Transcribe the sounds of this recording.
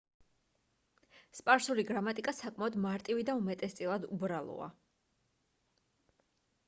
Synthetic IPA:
spʼaɾsuliɡɾamat̪ʼikʼasakʼmaɔd̪maɾt̪ʼivid̪aumɛt̪ʼɛst̪sʼilˠad̪ubɾalˠɔ̰a̰

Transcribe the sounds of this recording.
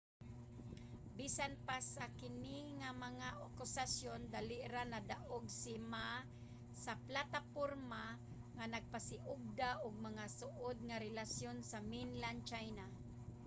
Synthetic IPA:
bisanpasakɪniŋamaŋaʔokʊsasjond̪alɪʔɾanad̪aʔoɡsɪma | saplat̪apoɾma | ŋanaɡ̚pasɪʔʊɡ̚d̪aʔʊɡ̚maŋasʊʔʊd̪̚ŋaɾɛlasjonsaminlant͡ʃajna

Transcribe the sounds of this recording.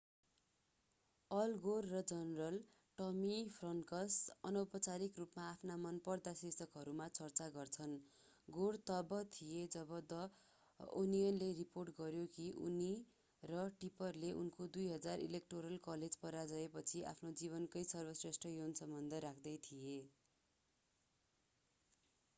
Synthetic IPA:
ʌlɡorːʌd͡zʌnrʌl | ʈʌmipʰrʌnʈkʌsʌnʌwpʌt͡saɾikrupmaːpʰnamʌnpʌrd̪asesʌkɦʌɾumat͡sʌrt͡saɡʌrt͡sʰʌn | ɡort̪ʌbʌt̪ʰijed͡zʌbʌd̪ʌ | o̰nijʌnleriporʈɡʌɾjokiʔṵni | rʌʈipʌrleʔunkod̪ujɦʌd͡zarḭlek̚ʈoɾʌlkʌled͡zpʌɾad͡zʌepʌt͡sʰiʔa̰pʰnod͡ziβʌnkʌjsʌrbʌsresʈrʌjonsʌmbʌnd̪ʱʌɾakʰd̪ʌjt̪ʰije

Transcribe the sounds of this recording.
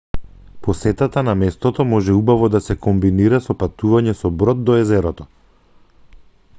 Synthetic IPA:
pɔsɛt̪at̪anamɛst̪ɔt̪ɔmɔʒɛubavɔd̪asɛkɔmbiniɾasɔpat̪uvaɲɛsɔbɾɔd̪̚d̪ɔɛzɛɾɔt̪ɔ

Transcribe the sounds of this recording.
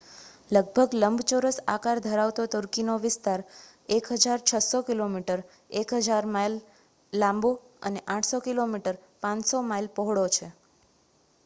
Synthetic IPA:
ləɡ̚bʱəɡləmbʱt͡ʃoɾəsa̰kaɾd̪ʱəɾaʋt̪ot̪əɾkinoʋɪst̪aɾ | ekɦəd͡ʒaɾt͡ʃʰəsokilomiʈəɾ | ekɦəd͡ʒaɾmajlː | ãmbo | ə̰neʔãʈʰsokilomiʈəɾpãsomajlpəɦɽot͡ʃʰe

